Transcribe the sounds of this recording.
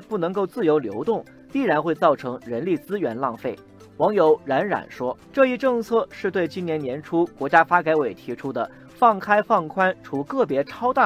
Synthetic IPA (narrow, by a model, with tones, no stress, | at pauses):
pu˥˩nɤ˧˥ŋko˥˧ʊt͡sɹ̩˥˩jo˧˥ʊljo˧˥ʊt̪ʊ˥˩ŋ | t̪i˥˩ɻa˧˥nxwe˥˧ɪt͡sɑ˥˩ʊʈ͡ʂʰɤ˧˥ŋɻə˧˥nli˥˩t͡sɹ̩˥ɥɛ˧˥nlɑ˥˧ŋfe˥˩ɪ | wɑ˧˥ŋjo˧˩ʊɻa˧˥nɻa̰˨˩nʂwɔ˥ʈ͡ʂɤ˥˧i˥˧ʈ͡ʂɤ˥˧ŋt͡sʰɤ˥˧ʂɻ̩˥˧t̪we˥˩ɪt͡ɕi˥njɛ˧˥njɛ˧˥nʈ͡ʂʰu˥kwɔ˧˥t͡ɕja˥fa˥ka˧˥ɪwe˨˩ɪt̪ʰi˧˥ʈ͡ʂʰu˥d̪ə˨ | fɑ˥˩ŋkʰa˥ɪfɑ˥˩ŋkʰwa˥nʈ͡ʂʰu˧˥kɤ˥˩pjɛ˧˥ʈ͡ʂʰɑ˥ʊt̪a˥˩